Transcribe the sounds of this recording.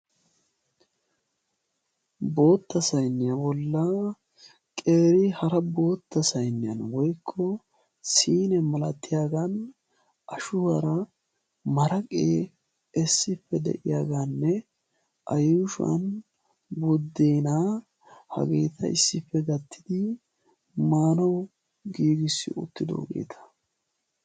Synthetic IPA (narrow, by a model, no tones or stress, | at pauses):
bo̞ːt̪ːɐsɐjnːɪjɐbɔlːɐ | kʼe̞ːɾɪhɐɾɐbo̞ːt̪ːɐsɐjnːɪɐ̰nwɔjkʰːɔ | siːnɛmɐlɐt̪ːɪjaːɡan | ʔɐʃʊwɐɾɐ | mɐɾɐkʼeː | ɛsːɪpːɛd̪ɛ̰ʔɪjaːɡaːnːɛ | ʔɐjʊʃɐ̰n | bɔd̪ːeːnaː | hɐ̰ɡe̞ːt̪ʰɐ̰ɪ̰sːɪfːɛɡɐt̪ːɪd̪ɪ | maːnɐw | ɡiːɡɪsːɪ̰ʊ̰t̪ːɪd̪o̞̰ːɡe̞̰ːt̪ʰɐ̥